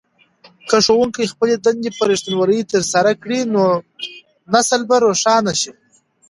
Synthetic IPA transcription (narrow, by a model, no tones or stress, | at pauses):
kəʂowuŋkajxpəled̪and̪epəɾiʃt̪anwaɾəjt̪əɾsaɾakɽino | nasəlbaɾoʂɑnaʃi